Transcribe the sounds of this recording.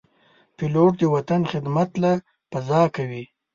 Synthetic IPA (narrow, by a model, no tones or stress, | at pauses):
pɪloʈ̚d̪əwat̪anxɪd̪mat̪la | pɐzɑːkawi